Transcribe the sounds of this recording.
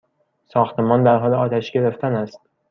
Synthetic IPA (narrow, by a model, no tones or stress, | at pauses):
sɒːxt̪ʰe̞mɒːnd̪æɾɦɒːleɒːt̪ʰæʃɟe̞ɾe̞ft̪ʰænæst̪